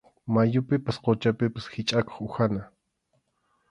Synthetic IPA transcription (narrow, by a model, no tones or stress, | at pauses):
majʊpɪpasqot͡ʃapɪpḁsxɪt͡ʃʼako̥χʊxana